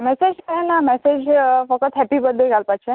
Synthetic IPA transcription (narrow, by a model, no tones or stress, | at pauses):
mɛsed͡ʑkəenamɛsed͡ʑfəkət̪ɦɛpibəd̪ʱːeɡʱalpat͡ɕʰe